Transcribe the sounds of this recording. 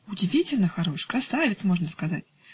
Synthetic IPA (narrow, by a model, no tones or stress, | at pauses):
ʊdʲɪvʲitʲɪlʲnəxaɾoʂkɾasavʲɪt̪smoʐnəskaza̰tʲ